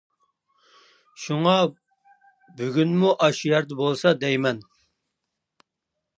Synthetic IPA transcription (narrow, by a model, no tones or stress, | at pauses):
ʃuŋɑ | byɡʲynmuʔɑʃjɑɾd̪ɨbolˠsɑd̪ɛjmɛn